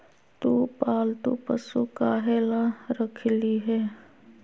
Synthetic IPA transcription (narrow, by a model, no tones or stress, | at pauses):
t̪uːpaːlt̪ṵpə̰sukaːɦeːlaɾəkʰliɦɛː